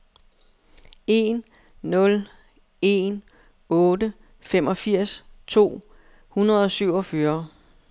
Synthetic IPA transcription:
e̝nː | ɔ̽l | e̝n | ɔ̽ːdə | fem̰ʔɒ̽fiɐ̰st͡sʰo̝̰ː | hunɐð̞ˠɒ̽syʊ̰ɒ̽fœːɐ

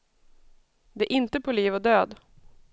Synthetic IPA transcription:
d̪ɛæʔɪnt̪əpʰoːliːvod̪øːd̪

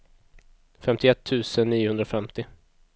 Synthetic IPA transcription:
fɛmt̪ɪɛt̪ʰːʉ̟ːsənːiːʊhɵnɾafɛmt̪ɪ

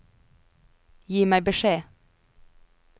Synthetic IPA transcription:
jiːmæɪbəʃeː

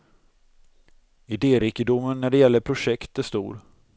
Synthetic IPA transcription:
ɪd̪eːɾɪkəd̪ʊmːənːæɖɛjɛlːəɾpʰɾʊʂɛkt̪æʂt̪ṵːɾ

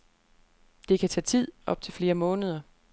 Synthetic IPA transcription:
d̥e̝kʰæt͡sʰɛ̰ːt͡sʰið̞̰ˠʔɒ̽b̥̚t͡sʰe̝lfle̝ːɐmɔ̽ːnəð̞ˠɐ

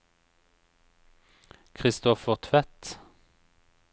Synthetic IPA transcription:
kʰʁɪst̪ɔfəʁt̪ʰʋɛt̪

